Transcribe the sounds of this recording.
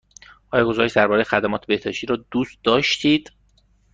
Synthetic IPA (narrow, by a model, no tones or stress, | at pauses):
ʔɒːjɒɡo̞zɒːɾeʃd̪æɾbɒːɾejxæd̪æmɒːt̪ʰebe̞hd̪̥ɒːʃt̪iːɾɒːd̪uːst̪̚d̪ɒːʃt̪ʰiːd̪̥